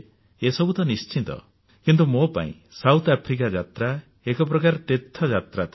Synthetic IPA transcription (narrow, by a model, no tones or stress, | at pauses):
esɔbut̪ɔnist͡ʃit̪ɔ̰ | kint̪umopa̰ḭ̃ | sawt̪ʰapʰɾik̬ad͡ʒat̪ɾa | ekɔp̬ɾɔkaɾɔʈ̪et̪ʰːɔd͡ʒat̪ɾat̪